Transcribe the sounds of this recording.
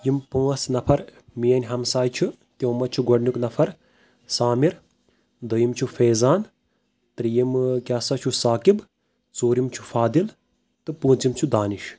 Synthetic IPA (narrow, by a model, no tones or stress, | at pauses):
jimpũːɐsnɐpʰɐɾmijɐnʲɦɐmsaːjt͡ʃʰu | t̪ʲjoːmɐt͡ʃʰuɡɐɖnuknɐpʰɐɾ | saːmiɾ | d̪əjimt͡ʃʰufeːzaːn | t̪ɾjimkʲaːsɐt͡ʃʰusaːkib | t͡soːɾimt͡ʃʰufaːd̪il | t̪ɨpũːt͡simt͡ʃʰud̪aːniʃ